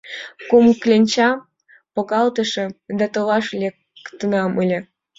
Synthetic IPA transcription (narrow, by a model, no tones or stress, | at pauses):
kumklʲenʲt͡ɕɑ | pokɑlt̪ə̆ʃĕd̪ɑt̪olɑʃlʲek | t̪ə̆nɑməlʲĕ